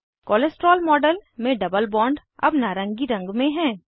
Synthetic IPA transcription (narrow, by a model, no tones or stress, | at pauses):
kɔːlesʈɾɔːlmɔːɖəlmẽɖɐbəlbɔ̃ːɳɖ | ɐ̰bnaːɾə̃ŋɡiɾɐ̃ŋɡmẽɦɛ̃ː